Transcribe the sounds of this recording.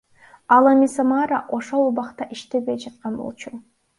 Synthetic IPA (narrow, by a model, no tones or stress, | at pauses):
ɑlˠamisamɑɾaʔo̞ʃo̞lˠubɑqt̪ɑʔiʃt̪ebejd͡ʒɑt̪̚qɑnbo̰lˠt͡ʃu